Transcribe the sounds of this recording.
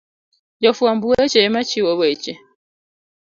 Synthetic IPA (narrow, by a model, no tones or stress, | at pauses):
jɔfuambuɛt͡ʃɛmat͡ʃiwɔβɛt͡ʃɛ